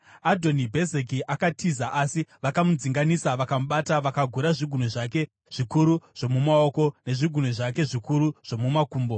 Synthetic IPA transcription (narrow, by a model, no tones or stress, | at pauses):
adʱo̞nibʱe̞zek̬iʔakatʰizaʔasiʋakamud͡ziŋɡanisaʋakamuɓataʋakaɡʱuɾaʐiɡʱunoʐake̞ | ʐ̥ikuɾuʐ̥o̞mumao̞ko̞ne̞ʐiɡʱun̤oʐake̞ʐikuɾuʐ̥o̞mumakuːmbo̞